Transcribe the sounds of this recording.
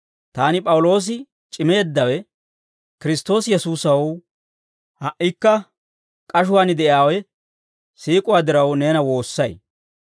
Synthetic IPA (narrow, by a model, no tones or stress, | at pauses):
t̪aːnɪpʼɐwʊlo̞ːs̬ɪ | t͡ʃʼɪme̞ːd̪ːɐwɛ | kɪɾɪst̪o̞ːsjɛsuːsɐw | hɐʔːɪkːɐ | kʼɐʃ̬ʊwaːnɪd̪ɛʔjaːwɛ | siːkʼʊwaːd̪ɪɾɐwne̞ːnɐwo̞ːsːɐj